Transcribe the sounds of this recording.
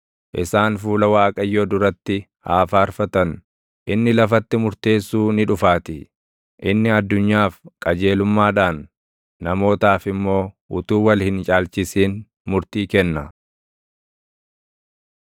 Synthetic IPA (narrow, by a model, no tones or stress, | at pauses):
ʔɪsaːnfuːlɐwaːkʼɐjːoːd̪ʊɾɐt̪ːɪ | haːfaːɾfɐt̪ɐn | ʔɪnːɪlɐfɐt̪ːɪmʊɾt̪e̞ːsːuːnɪᶑʊfaːt̪ɪ | ʔɪnːɪɐd̪ːʊɲːaːfkʼɐd͡ʒe̞ːlʊmːaːᶑaːnː | ɐmo̞ːt̪aːfɪmːo̞ː | ʊt̪uːwɐlhɪnt͡ʃʼaːlt͡ʃɪsiːn | mʊɾt̪iːkɛnːɐ